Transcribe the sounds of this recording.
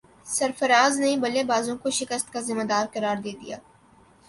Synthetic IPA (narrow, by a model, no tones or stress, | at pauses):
sɐɾfɐɾaːznɐĩbɐlebaːzõkoʃɪkəst̪kazɪmed̪aːɾqɐɾaːɾd̪eːd̪ḭja̰ː